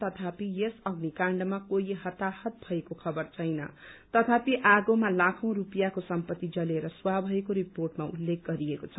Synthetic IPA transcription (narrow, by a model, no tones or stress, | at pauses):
t̪ʌt̪ʰapijesʌɡnikaɳɖmakojɦʌt̪ahʌt̪̚bʱʌekokʰʌbʌrt͡sʰʌjnʌ̰t̪ʌt̪ʰapiʔaɡomalakʰʌ̃w̃ɾupjakosʌmpʌt̪ːid͡zʌleɾʌswabʱʌekoɾiporʈmaṵlːek̚ɡʌɾiekot͡sʰʌ